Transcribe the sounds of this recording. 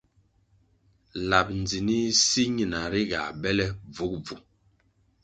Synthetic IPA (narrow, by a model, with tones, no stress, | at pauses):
la˨p̚n˨d͡zi˨ni˦si˦ɲi˨na˨ɾi˦ɡa̰˨bɛ˦lɛ˦b͡vu˦k̚b͡vu˨